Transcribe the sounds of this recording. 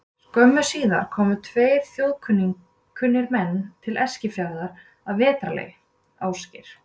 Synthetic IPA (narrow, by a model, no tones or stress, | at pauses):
kœmːʏsiːða̰ɾ̥kʰɔːmʏt̪ʰveːjɾ̥θjowðkʰʏnːi | kʰʏnːɪɾmɛnːt̪ʰɪlʔɛscɪfjawðaɾ̥ | aðvɛːt̪ɾalḛj | aːwscɪ̰ɾ̥